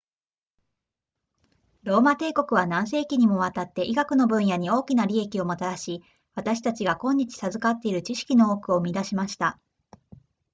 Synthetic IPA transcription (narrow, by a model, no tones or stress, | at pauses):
ɾo̞ːmat̪e̞ːko̞kɯ̟β̞anãɰ̃s̬e̞ːkʲiɲ̟imo̞β̞at̪at̪ːe̞ʔiɡakɯ̟no̞bɯ̟̃ɰ̃jaɲ̟io̞ːkʲinaɾʲie̞kʲio̞mot̪aɾaɕi | βat̪aɕi̥t̪at͡ɕiɡakõ̞ɲ̟ːit͡ɕi̥sazɨkat̪ːe̞iɾɯ̟t͡ɕiɕi̥kʲino̞okɯ̟o̞mʲid̪aɕimaɕi̥t̪a